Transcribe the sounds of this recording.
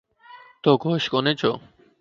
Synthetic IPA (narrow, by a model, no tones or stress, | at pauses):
t̪oɡoʃkonet͡ɕʰo